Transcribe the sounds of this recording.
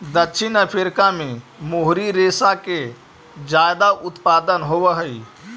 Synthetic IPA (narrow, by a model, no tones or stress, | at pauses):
d̪ətːʃʰinəpʰiɾkãmemoɦɾiɾesake | d͡ʒajd̪aʔʊt̪paːd̪ənɦoʋəɦəi